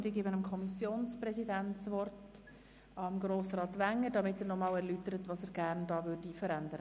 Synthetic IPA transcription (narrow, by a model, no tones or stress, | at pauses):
d̥iːɡiːbənəmkʰɔmisjoːnsprɛsidæntt͡sʋɔrt | ɑmɡɾoːsrɑːtʋæŋːədɑmɪtɛːɾnɔmɑːlɛɾlytəɾətʋɑːsəːɾɡ̥æːɾndɑːʋʏɾdifəɾændəɾə